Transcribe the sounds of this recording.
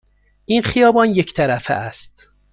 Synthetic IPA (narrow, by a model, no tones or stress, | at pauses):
ʔinχijɒːbɒnjecʰt̪ʰæɾæfḛʔæst̪